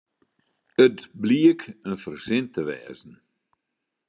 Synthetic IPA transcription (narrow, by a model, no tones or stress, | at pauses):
ətbliəkənfərzɪntʰəʋɛ̰ːzn̩